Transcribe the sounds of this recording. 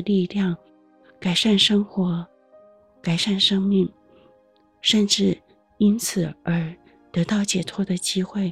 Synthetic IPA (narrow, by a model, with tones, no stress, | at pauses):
li˥˧ljɑ˥˩ŋ | ka˨˩ɪʂa˥˩nʂɤ˥ŋxwɔ˧˥ | ka˨˩ɪʂa˥˩nʂɤ˥ŋmi˥˩ŋ | ʂə˥˧nʈ͡ʂɻ̩˥˩ | i˥nt͡sʰɹ̩˨˩ə˞˧˥ | t̪ɤ˧˥t̪ɑ˥˩ʊt͡ɕjɛ˨˩t̪ʰwɔ˥d̪ə˨t͡ɕi˥xwe˥˩ɪ